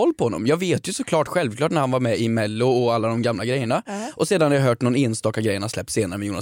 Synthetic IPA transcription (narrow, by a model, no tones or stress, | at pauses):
ɔlːpʰɔhɔnːɔ̰mjɑːɡveːt̪jɵsɔkʰlɑːʈɧɛlvkʰlɑːʈnæɾhanvaɾmɛɪmɛlːʊɔalːad̪ɔmɡamlaɡɾɛjːəɳaʔɔseːd̪anaɾjaɦœːʈnɔneːnst̪ɑːkːaɡɾɛjːəɳaslɛp̚t̪seːnaɾəmɛjuːna